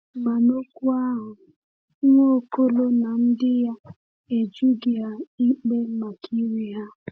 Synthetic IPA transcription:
ma˨no˦kʷu˦a˦ɦʊ˨˦ | o˦˨ko˦lo˦na˨n̩˦dɪ˦ja˦ | e˨d͡ʒu˦ɡɪ˨a˨i˦k͡pe˦ma˨kʰi˦ɾi˦ɦa˦

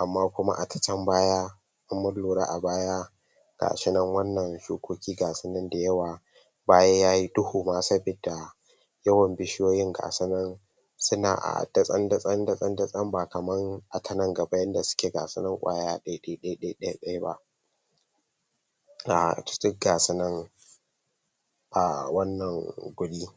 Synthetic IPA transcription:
ʔa˨mːaː˦kʷʊ˦ma̰˦ʔa˨tʰɐ̥˨t͡ʃɐ˦mbaː˦ja˦ | ʔa˦mːɐ˦loː˨ɾa̰˦ʔa˨baː˦ja˦ | ɡ̥a̰ː˨ʃɪ˦nɐ˦ŋwɐ˦nːɐ˨nʃuː˦kʷoː˦kʲiː˦ɡaː˨sɪ˦nɐ˦nda˨jɐ˦waː˨ | baː˦ja˦jaː˦ji˦dʊ˦huː˨maː˦sɐ˦be˨da˨ | jɐ˦wɐ˨mbɪ˦ʃɪ˦joː˦jɪ˦ŋɡa̰ː˨sɐ˦nɐ˦n | sʊ˦na̰ː˨ʔa̰˨d̥ɐ˦sʼɐ˦ndɐ˦sʼɐ˦ndɐ˦sʼɐ˦ndɐ˦sʼɐ˦mba˨kɐ˨mɐ˦ŋʔa˨tʰɐ˨nɐ˦ŋɡɐ˨ba˦jɐ˦nda˨sʊ̥˦kʲeː˨ɡa̰ː˨sɪ˦nɐ˦ŋkʷʼa̰ː˦jaː˦ɗɐ˦jɗɐ˦ɗɐ˦jɗɐ˦jɗɐ˦jɗɐ˦jba̰˦ʔ | ʔa̰˨t͡ʃɪ̥˦tɪ˦kɡaː˨sɪ˦nɐ˦ŋ | ʔa̰˨wɐ˦nːɐ˨ŋɡʷʊ˨ɽiː˦

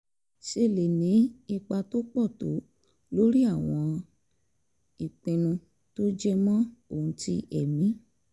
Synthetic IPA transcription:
ʃe˦˨le˨nĩ˨˦i˧k͡pa˧to˦k͡pɔ˦˨to̰˨˦ | lo˦ɾi˦a˦˨w̃ɔ̃˧ | i˨k͡pẽ˧nũ˧ | to˦d͡ʒɛ˦mɔ̃˦o˦˨ũ˧ti˧ʔɛ˨mĩ˨˦

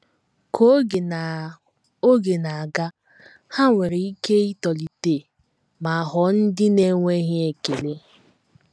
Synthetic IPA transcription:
kʰo˦ɡe˨na˨ | o˦ɡe˨na˨a˨ɡa˦ | ha˦ŋʷe˨ɾe˨i˦ke˦i˦tɔ˨li˨te˨ | ma˨a˨ɦɔ˨˦n̩˦dɪ˦ne˦ŋʷe˦ɦɪ˦e˨ke˨le˦

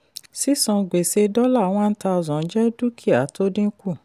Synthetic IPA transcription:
si˦sɔ̃˨˧ɡ͡be˨se˧dɔ˦la˦˨w̃ɔ̃˦n̩˦ta˧ɔ˨zɔ̃˨n̩˦d͡ʒɛ˦du˦kʰi˦˨a˨˦to˦dĩ˦ku˦˨

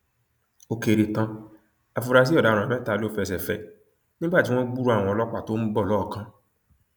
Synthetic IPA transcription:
o˨ke˨ɾe˨tã˧ | a˨fu˨ɾa˨s̬i˦ɔ˦˨da˨ɾ̃ɔ̃˨ɛ˦ta˨lo˦fɛ˨s̬ɛ˨fɛ˨ | nĩ˦ɡ͡ba˦˨d͡ʒi˨wɔ̃˦ɡ͡bu˦ɾu˦a˨wɔ̃˨lɔ˦k͡pa˨to˦m̩˦bɔ˦˨lɔ˦˨kã˦

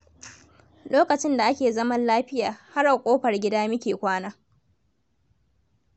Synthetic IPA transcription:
loː˦kɐ˨t͡ʃɪ˦nda˨ʔa˦kʲeː˨zɐ˦mɐ˦nlaː˦ɸɪ˦jaː˨ha˦rʔa˨kʷʼoː˦ɸɐ˨rɡʲɪ˦daː˦mɪ˦kʲeː˨kʷaː˦naː˦

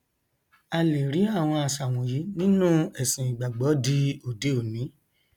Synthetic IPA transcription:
a˧le˨ɾi˨˦a˦˨w̃ɔ̃˧a˨sa˨w̃ɔ̃˨ji˨˦nĩ˦nũ˦ɛ˨sĩ˨i˨ɡ͡ba˨ɡ͡bɔ˨˦di˧o˨de˨˦o˨nĩ˨˦

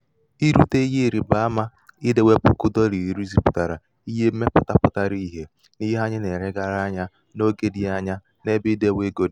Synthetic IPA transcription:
i˦ɾu˦te˦i˦je˦˨ɾi˨ba˨a˦ma˦ | ɪ˦de˨we˦pʊ˦kʊ˦dɔ˦ɾi˨ɾi˨ɾu˦zi˨pʊ˨ta˨ɾa˨ | i˦ɦe˦me˦pʊ˦ta˦pʊ˦ta˨ɾi˦ɦe˦ | ni˦ɦa˦ɲɪ˦ne˨ɾe˦ɡa˦ɾa˦ɲa˦ | no˦ɡe˦dɪ˨a˦ɲa˦ | ne˦bɪ˦de˦˨we˦ɡo˦di˨

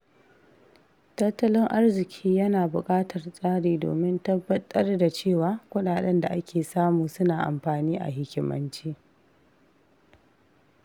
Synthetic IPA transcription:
tɐ˦tːɐ˦lɪ˦ŋʔa˦rzɪ˨kʲʰiː˦jɐ˦naː˨bʊ˨kʼaː˦tʰɐ˨rsʼaː˦ɽiː˨do̰ː˨mɪ˦ntɐ˦bːɐ˦tʼɐ˦rda˨t͡ʃeː˦˨waː˨˦kʷʊ˦ɗaː˨ɗɛ˦nda˨ʔa˦kʲʰeː˨saː˦muː˨sʊ˦naː˨ʔa̰˨mɸaː˨niː˦ʔa̰˨ɦɪ˦kʲɪ˦mɐ̰˦nt͡ʃiː˦

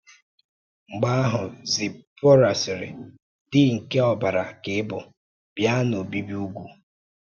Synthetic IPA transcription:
ŋ͡m̩˨ɡ͡ba˦a˦ɦʊ˨zɪ˨po˦ɾa˨sɪ˨ɾɪ̰˨ | dɪ˦ŋ̩˨ke˦ɔ˨ba˨ɾa˨ke˨˦bʊ˨ | bja˦no˨bi˦bi˦u˦ɡʷu˨

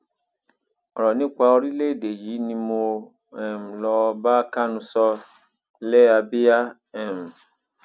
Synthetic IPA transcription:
ɔ̰˨ɾɔ˨nĩ˦kʷa˧o˦ɾi˦le˦˨de˨ji˨˦nĩ˧mo˨ | ɛ˨m˨lɔ˨ba˦ka˦nũ˧sɔ˦ | le˦a˨be˦a˦ | ɛ˨m˨

